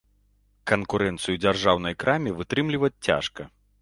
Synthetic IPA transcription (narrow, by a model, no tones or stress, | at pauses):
kɐnkuɾɛnt̪sɨjud͡zʲarʐawnɐjkɾʔamʲivɨt̪ɾɨmlʲivɐt͡sʲt͡sʲa̰ʂkɐ